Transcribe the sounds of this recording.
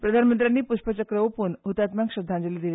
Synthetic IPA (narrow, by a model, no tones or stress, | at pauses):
pɾəd̪ʱanmənt̪ɾʲjanːiːpuɕpət͡ɕəkɾəʋpunɦut̪at̪maŋkɕəd̪ʱːãnd͡ʑəlid̪ile